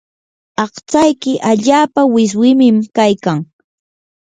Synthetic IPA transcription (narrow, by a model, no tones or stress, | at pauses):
ɑχt͡ʃajkɪʔaʎaːpawɪs̬wɪmɪmkajkaŋ